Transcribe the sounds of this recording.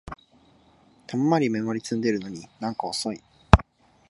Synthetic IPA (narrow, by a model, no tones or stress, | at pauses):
t̪ʰamamaɾʲime̞mo̞ɾʲit͡sɨ̃nd̪e̞ɾɯ̟no̞ɲ̟inãŋkaoso̞i